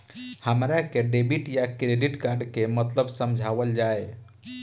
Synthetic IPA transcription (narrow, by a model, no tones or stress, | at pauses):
həmɾakeɖebiʈjakɾeɖiʈkaɾɖkemət̪ləbsəmd͡ʒʱaʋəld͡ʒae